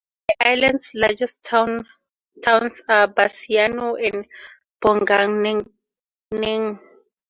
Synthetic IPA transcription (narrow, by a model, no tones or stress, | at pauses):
iʔajlãndslad͡ʒɛstn | tʰawnsabasianoɛ̃n | b̥ɔŋɡaŋn | niŋ